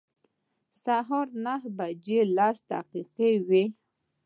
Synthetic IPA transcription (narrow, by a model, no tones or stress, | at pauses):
saɦoɾnaɦbad͡ʒelɑst̪a̰qiqewe